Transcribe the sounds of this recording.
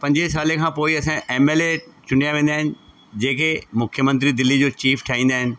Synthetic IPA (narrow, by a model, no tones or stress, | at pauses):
pɐ̃ɲd͡ʑesaːlekʰãːpoːiɐsãeːmeːlet͡ɕʊn̤ijaʋẽːn̆d̪aːɦɪnɪ̆ | d͡ʑeːkemʊkʰjəmɐ̃nt̪ɾid̪ɪlːid͡ʑoːt͡ɕiːfʈʰaːĩːn̆d̪aːɦɪnɪ̆